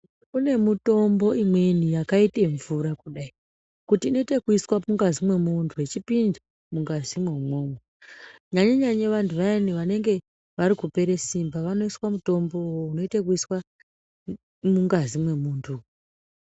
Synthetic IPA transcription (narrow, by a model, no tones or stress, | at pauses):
une̞muto̞mbo̞imwe̞nijakaite̞ɱvuɾakuɗai | kutiːno̞itekuiswamuŋɡazimwe̞muntʰuwet͡ʃipinda | muŋɡazimweumo̞ːmeɲaɲeɲaɲeʋantʰuʋaeniʋane̞ŋɡe̞ | ʋaɾikupe̞ɾe̞simbaʋano̞iswamuto̞mbo̞wouno̞itekuiswa | muŋɡazimwe̞muntʰu